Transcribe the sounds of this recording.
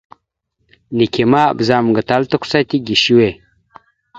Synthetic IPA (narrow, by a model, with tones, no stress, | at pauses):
ni˨ke˨ma̰˦˨bza˨m˨ɡə˨ta˦ltə˦kʷu̥˦sa˦ti˦ɡi˨ʃi˦we˨